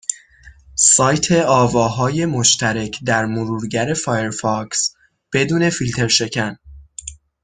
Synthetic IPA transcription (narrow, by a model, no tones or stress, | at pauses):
sɒːjt̪ʰe̞ɒːvɒːɦɒːje̞mo̞ʃt̪ʰæɾecʰd̪æɾmoɾuːɾɟæɾe̞fɒːje̞ɾfɒks | b̥e̞d̪uːne̞filt̪ʰe̞ɾʃe̞cʰæn